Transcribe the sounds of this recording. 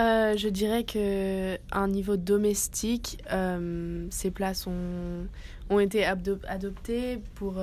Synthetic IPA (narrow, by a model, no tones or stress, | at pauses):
øʒəd̪iʁɛkʰə | ɛ̃nivod̪ɔmɛst̪ʰikømseplasɔ̃ | ɔ̃et̪eaad̪ɔpt̪epuʁ